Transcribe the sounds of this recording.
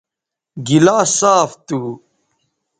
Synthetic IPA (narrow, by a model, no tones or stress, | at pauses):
ɡilaːsaːft̪uː